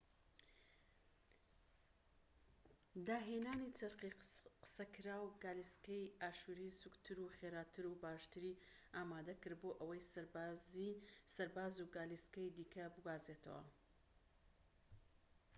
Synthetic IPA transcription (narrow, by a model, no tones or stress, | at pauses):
d̪aːɦenaːnit͡sɐɾqiqə̥sɐkɨɾaːwɡaːliskɐjaːʃuɾisukt̪ʰɨɾuχeɾaːt̪ʰɨɾubaːʃt̪ɨɾi | aːmaːd̪ɐkɨɾd̪̚boːʔɐwɐjszsɐɾbaːzuɡaːliskɐjd̪iːkʰɐbɨɡwaːzet̪ʰɐ̰wɐ̰